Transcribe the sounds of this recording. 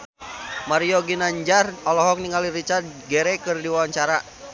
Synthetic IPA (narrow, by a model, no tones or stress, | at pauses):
maɾiɔɡinaɲd͡ʒarɔlɔɦɔk̚niŋɡaliɾit͡ʃart̪̚ɡɛɾɛkɨrdiwawaɲt͡ʃaɾa